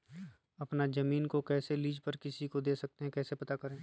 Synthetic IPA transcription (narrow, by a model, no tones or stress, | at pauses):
ɐpnazɐmiːnkokɛːseliːd͡ʒpɐɾkɪsikod̪eːsɐk̚t̪eɦɛ̃kɛːsepɐt̪akɐɾẽː